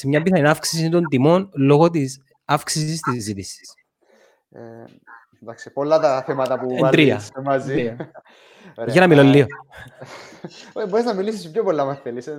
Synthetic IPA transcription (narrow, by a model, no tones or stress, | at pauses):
semɲɐmbisɐinɐfksisint̪o̞nt̪imo̞nlo̞ɣot̪̬is | ɐfksisist̪iszːit̪isi̥s | ḛ | nd̪ɐksipolːɐt̪ɐθemɐt̪ɐpud̪ɾiɐemɐziɾiɐ | ʝɐnɐmilolːio | oboɾeznɐmilisispçopolːɐmɐsθelise